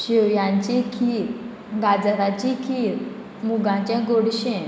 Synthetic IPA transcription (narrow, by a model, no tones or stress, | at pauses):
ɕewjãɲt͡ɕikʰiːɾ | ɡad͡zɾat͡ɕikʰiːɾ | muɡãɲt͡ɕɛ̃ɡoɽɕẽ